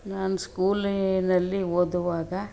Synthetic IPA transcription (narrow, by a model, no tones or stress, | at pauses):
naːnuskuːlinɐlːiwod̪uʋaːɡɐ